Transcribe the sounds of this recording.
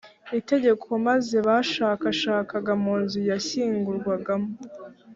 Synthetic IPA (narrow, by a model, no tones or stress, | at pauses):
ite̞ɟe̞kʰo̞maze̞βaʃaːkaʃaːkaɡamuːnzujaçiːŋɡuɾɡwaɡamo